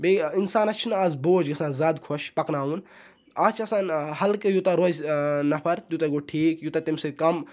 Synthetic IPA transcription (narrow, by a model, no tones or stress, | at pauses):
beinsaːnɐt͡ʃʰnaːzboːd͡ʒɡɐsãːnzaːd̪kʰoʃpɐknaːun | aːt͡ʃʰɐsaːnhɐlkɨjut̪aɾoznɐpʰɐɾt̪jut̪aɡoːʈʰiːkjut̪at̪imsekɐm